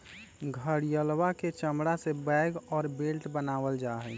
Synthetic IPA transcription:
ɡʱəɾjəlwaket͡ʃəmɽasebɛɪɡɔːɾbelʈbənaːʋəld͡ʒaːɦɛ

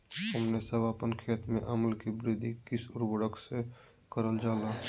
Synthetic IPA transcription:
ɦəmnesəʋaːpənkʰeːt̪mḛ̃ʔɐməlkibɾɪd̪ʱikɪsʊɾwəɽəkse | kəɾəld͡ʒaːlaː

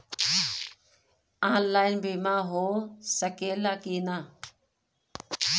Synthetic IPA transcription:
aːnlaːɪnbɪmãːɦoːsəkeːlaːkiːnaː

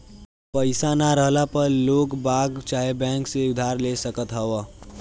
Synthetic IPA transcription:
pəɪsanaɾəɦlapəɾloːɡbaːɡt͡ʃaːɦebɛ̃ːŋkseʊd̪ʱaːɾlesəkət̪ɦəʋa

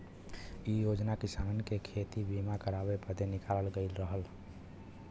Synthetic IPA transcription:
ijod͡ʒnakisaːnkekʰet̪ibimakəɾabepəd̪enɪkaːləlɡəɪlɾəɦəl

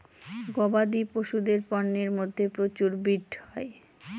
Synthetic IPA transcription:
ɡɔbad̪ipoʃud̪eɾpɔnːeɾmod̪ʱːepɾot͡ɕuɾbiɖhɔe

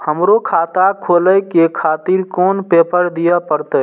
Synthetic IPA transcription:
həmɾokʰat̪akʰoləjkekʰat̪iɾkonpepəɾd̪ijəpəɾt̪ə

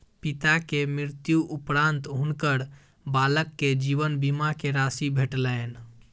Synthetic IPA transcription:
pit̪akemɾɪɾt̪juʔupɾãnt̪ɦunkəɾ | baləkːed͡ʒiʋənbimakeɾasibʱeʈləen

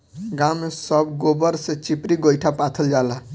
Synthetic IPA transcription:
ɡamːesəbɡobəɾsẽt͡ʃipɾiɡojʈʰapat̪ʰəld͡ʒala

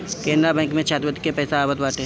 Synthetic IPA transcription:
kẽːnd̪ɾabɛ̃ːŋkmẽt͡ʃʰaːt̪ət̪ikːepɛːsaaːbət̪baːʈeɦ

